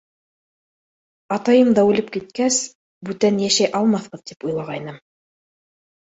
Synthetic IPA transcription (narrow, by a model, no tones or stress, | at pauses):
ɑt̪ɑjɤmd̪ɑʉlɘp̚kit̪̚kæs | bʉt̪ænjæʃæjʔɑlˠmɑθqɤ̆ðt̪ipujlˠɑʁɑjnɤm